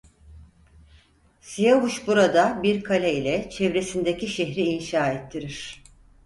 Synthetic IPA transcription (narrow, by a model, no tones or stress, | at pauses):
sijaβuʃbuɾad̪abiɾkʰalʲeilʲɛt͡ʃʰevɾe̞sind̪eciʃeɦɾiːnʃaːet̪ʰːiɾiɾ̝̥